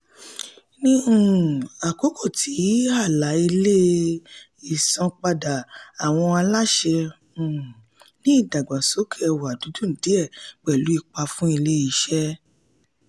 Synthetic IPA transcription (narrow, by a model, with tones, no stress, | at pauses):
nĩ˧ũ˦˨a˨ko˨˦kʰo˦˨tʰi˨˦a˦˨la˨˦i˧le˦ | i˨sɔ̃˨˧k͡pa˧da˨a˨w̃ɔ̃˧a˧la˦ʃɛ˧ | ũ˨ | nĩ˦i˦˨da˨ɡ͡ba˨so˨˦kʰe˦ɛ˧wa˨du˨˦dũ˦n̩˨di˨˦ɛ˦˨k͡pɛ˨lu˨˦i˧k͡pa˧fũ˦i˧le˦i˧˦ʃɛ˦